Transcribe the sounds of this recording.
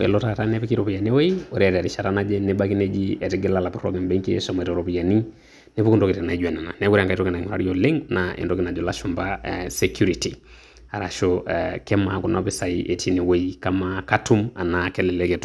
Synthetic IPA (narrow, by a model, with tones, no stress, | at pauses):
ɛ̰˨lo˦ta˦ta˦nɛ˦pi˦ki˦ɾo˨pi˨ja˨ne˦we˦ioɾɛɾa˨ɾɪ˨ʃa˨ɾa˦nad͡ʒɛ˦ne˦ba˦ki˦ne˦d͡ʒi˦ɛ˨tɪ˦ɡɪ˦lala˨pu˦ɾɔ̰˦kɛ˨mbe˦ŋki˦ɛ̰sɔ˨m˨ɛ˨ɾo˨ɾo˨pi˨ja˨ni˦ | ne˦pu˦ku˦ndo˦ki˨tɛ˨na˨id͡ʒɛ˨na˨na˨nɛ˦ɡuɾaŋka˦ito˦ki˨nai˨ŋɔ˨ɾa̰˨ɾi˦jole˦ŋnaʔḛ˨ndo˦kɪ˨na˨d͡ʒo˨la˦ʃu˨mbasɛkʰju˦ɾiti˨ | a˨ɾaʃokɛ˦maku˨napɪsa˨iʔe˨tʰi˦ni˨we˦ikamakatu˦ma̰˨nakɛ˦lɛ˨lɛkɛt